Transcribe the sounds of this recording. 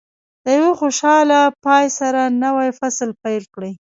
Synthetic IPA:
d̪̥əjawexoʃɑlapɑjsaɾanawajfasəlpajlkɽi

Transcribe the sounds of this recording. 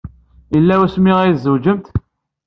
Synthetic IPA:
əlːæwæsmiʁæjzːəwd͡ʒəmt̪

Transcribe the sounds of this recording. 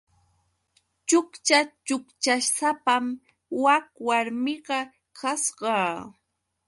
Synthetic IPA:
t͡ʃʊkt͡ʃat͡ʃʊkt͡ʃaʃsapam | wakwaɾmɪɢɑ | kʰasɢɑː

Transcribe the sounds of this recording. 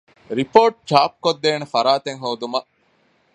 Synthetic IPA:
ɾipoːʈ̚t͡ʃaːp̚kod̪ːeːnefɐɾaːt̪eŋɦoːd̪umɐ

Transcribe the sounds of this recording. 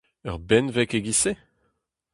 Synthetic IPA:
œ̰ʁbɛnvɛkeɡise

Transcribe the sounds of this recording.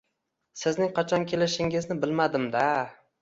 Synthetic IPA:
sɪznɪŋqʰɑt͡ʃʰɒnkʲʰelɪʃɪŋɪznɪbɪlmad̪ɪmd̪a

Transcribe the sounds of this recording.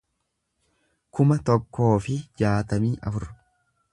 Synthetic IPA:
kʊmɐt̪ɔkːo̞ːfɪd͡ʒaːt̪ɐmiːʔɐ̰fʊɾ

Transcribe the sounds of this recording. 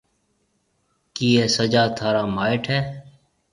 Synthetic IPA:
kiːeːsəd͡ʒaːt̪ʰaːɾaːmaːɪʈʰɦɛː

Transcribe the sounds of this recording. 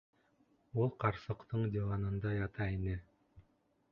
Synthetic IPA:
ulˠqɑɾsɤ̆qt̪ʰɤɴd̪ʲɪvɑnɤ̆nd̪ɑjɑt̪ɑinɘ

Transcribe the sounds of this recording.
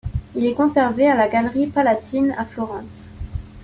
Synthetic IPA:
ilɛkɔ̃sɛʁvealaɡalʁipalat̪inaflɔʁɑ̃s

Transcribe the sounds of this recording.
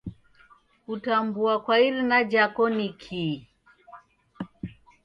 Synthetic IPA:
kutambuakwaiɾinad͡ʒakɔnikʰi

